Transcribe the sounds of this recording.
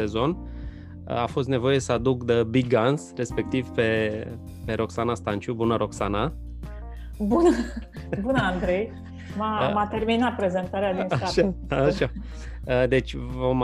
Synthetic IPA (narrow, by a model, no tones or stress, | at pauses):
e̞zo̞n | ə̰afo̞s̬t̪ne̞vo̞je̞səad̪ukd̪əbiɡɡansre̞spe̞k̚t̪ivpe̞ | pe̞ɾo̞ksanast̪ant͡ʃubunəɾo̞ksana | bunə | bunəand̪ɾej | mamat̪e̞rminat̪̚pɾe̞ze̞nt̪aɾead̪inaaaʃaaʃa | əd̪e̞t͡ʃʲvom